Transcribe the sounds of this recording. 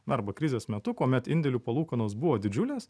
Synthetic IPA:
ɐɾbɐkɾʲɪzʲeːsmʲɛt̪ʊkuɔmʲɛt̪ɪnʲd̪ʲɛlʲuːpɐlˠuːkɐnoːs̬bʊʋoːd̪ʲɪd͡ʒʲʊlʲeːs

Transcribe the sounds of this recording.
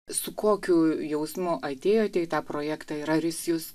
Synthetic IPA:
sʊkoːkʲʊjɛʊsmʊʔɐt̪ʲeːjoːt̪ʲɛɪt̪ɑːpɾoːjæːkt̪ɑiːɾɐɾʲɪsjʊs

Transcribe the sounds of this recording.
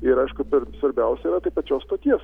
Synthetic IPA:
ɪɾɐɪʃkʊpʲɛɾsʋɐɾʲbʲɛʊsʲɛiɾɐt̪ɐɪpɐt͡ʃʲoːst̪oːkʲiɛs

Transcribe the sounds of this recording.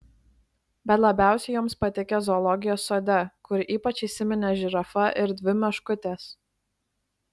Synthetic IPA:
bʲɛt̪lˠɐbʲæˑʊsʲɛjoːmspɐt̪ʲɪkʲɛzɔːlˠɔɡʲɪjoːsːoːd̪ʲɛkʊɾiːpɐt͡ʃʲiːsʲɪmʲɛnʲɛʒʲɪɾɐfɐʔɪɾd̪ʲʋʲɪmʲɛʃkʊt̪ʲeːs

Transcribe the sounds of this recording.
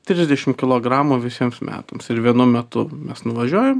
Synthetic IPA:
t̪ʲɾʲɪzʲd̪ʲɛʃʲɪmkʲɪlˠoːɡɾɑːmuːʋʲɪsʲiɛmsmʲæ̰ːt̪ɐmsɪɾʋʲiɛnʊmʲɛt̪ʊmʲɛsnʊʋɐʒʲuɔjɛm

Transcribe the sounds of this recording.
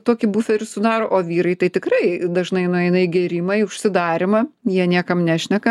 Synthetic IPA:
t̪oːkʲɪbuːfʲɛɾʲɪsʊd̪ɑːɾoːʔoːʋʲiːɾɐɪt̪ɐɪt̪ʲɪkrɐɪd̪ɐʒnɐɪnɐɐɪnɐɪɡʲɛɾʲimɐɪʊʃʲsʲɪd̪ɑːɾʲɪmɐjiɛnʲiɛkɐmnʲæːʃʲnʲɛkɐ

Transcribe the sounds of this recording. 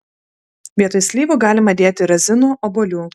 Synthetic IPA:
ʋʲiɛt̪osʲlʲiːʋuːɡɑːlʲɪmɐd̪ʲeːt̪ʲɪɾɐzʲɪnuːʔoːbolʲuː

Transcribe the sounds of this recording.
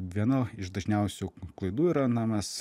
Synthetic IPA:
ʋʲiɛnoɪʃd̪ɐʒʲnʲɛʊsʲuːklˠɐɪd̪uːiːɾɐnɑːmɐs

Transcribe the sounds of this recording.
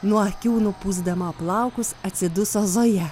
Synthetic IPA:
nuɔɐkʲuːnʊpuːzd̪ɐmɐɐplˠɑˑʊkʊsɐt̪ʲsʲɪd̪ʊsoːzoːjɛ

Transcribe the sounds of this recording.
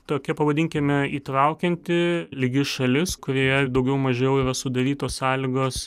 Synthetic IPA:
t̪oːkʲɛpɐʋɐd̪ʲɪŋʲkʲɪmʲɛiːt̪ɾɐʊkʲɛnʲt̪ʲɪlʲɪɡʲɪʃɐlʲɪskʊɾʲiːjɛd̪ɐʊɡʲɛʊmɐʒʲejɛʊiɾɐsʊd̪ɐɾʲiːt̪oːssɑːlʲɪɡoːs

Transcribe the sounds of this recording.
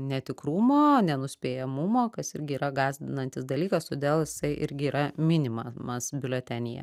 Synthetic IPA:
nʲɛt̪ʲɪkɾumoːnʲɛnʊsʲpʲeːjɛmʊmoːkɐsɪɾʲɡʲɪiːɾɐɡɑːzʲd̪ʲɪnɐnʲt̪ʲɪsd̪ɐlʲiːkɐst̪oːd̪ʲeːlˠjɪsɐɪʔɪ̰ɾʲɡʲɪiːɾɐmʲɪnʲɪmɐmɐsbʲɪlʲɛt̪ʲænʲɪjɛ̰

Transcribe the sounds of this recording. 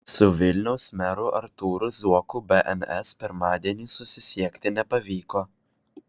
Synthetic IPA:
sʊʋʲɪlʲnʲɛʊsmʲɛɾʊʔɐɾt̪uːɾʊzuɔkʊbʲɛʔɛ̰nɛspʲɪɾmɑːd̪ʲiɛnʲiːsʊsʲɪsʲiɛkʲt̪ʲɪnʲɛpɐʋʲiːkoː

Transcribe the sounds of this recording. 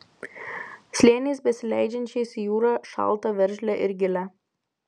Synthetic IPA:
sʲlʲeːnʲeɪsbʲɛsʲɪlʲæ̰ˑɪd͡ʒʲɛnʲt͡ʃʲɛɪsʲjuːɾɑʃɑ̰ˑlˠt̪ɐʋʲɛɾʲʒʲlʲɛʔɪɾɡʲɪlʲæ

